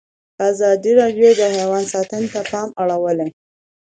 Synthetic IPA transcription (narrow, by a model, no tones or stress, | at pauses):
azɑd̪iɾɑɖjod̪əhawɑnsɑt̪ənt̪apɑmaɽawəle